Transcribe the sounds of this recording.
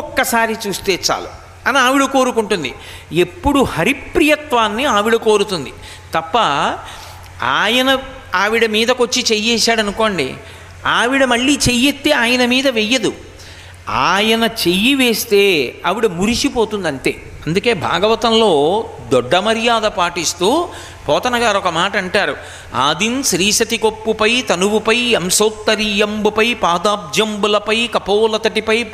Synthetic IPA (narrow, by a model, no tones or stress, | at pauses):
ɔkːɐsaːɾit͡ʃuːst̪e̞ːt͡ʃa̰ːlu | ɐniaːʋiɽɐko̞ːɾukuɳʈund̪i | e̞pːuɽuhɐɾipːɾijɐt̪ʋaːnːiaːʋiɽɐko̞ːɾut̪und̪i | t̪ɐpːɐ | aːjɐnɐ | aːʋiɽɐmiːd̪ɐkot͡ʃːit͡ʃejɛːsaːɽɐnuko̞ːɳɖḭ | aːʋiɽɐmɐɭːiːt͡ʃejet̪ːeːaːjɐnɐmiːd̪ɐʋejɐd̪u | aːjɐnɐt͡ʃe̞jiʋe̞ːst̪e̞ːɐʋiɽumuɾisipo̞ːt̪und̪ɐɳʈe̞̰ː | ɐnd̪uke̞ːbʱa̰ːɡɐʋɐt̪ɐnlo̞ːd̪ɔɖːɐmɐɾijaːd̪ɐpaːʈist̪uː | pɔːt̪ɐnɐɡaːɾɔkɐmaːʈɐːɳʈaːɾu | a̰ːd̪inʃɾiːʃɐt̪ikopːupɐjt̪ɐnuʋupɐjemsɐːt̪ːɐɾijɐmbupɐjpaːd̪aːb̚d͡ʒɐmbulɐpɐjkɐpɐːlɐt̪ɐʈipɐj